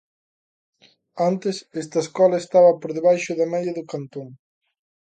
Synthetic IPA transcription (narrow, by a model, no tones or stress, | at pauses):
ant̪esɛst̪ɐeskɔlɐest̪aβɐpoɾðeβajʃʊðɐmɛjɐðʊkant̪oŋ